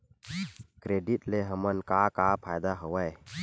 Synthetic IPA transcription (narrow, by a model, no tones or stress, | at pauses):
kɾeɖiʈleɦəmənkakapʰajd̪aɦəwəj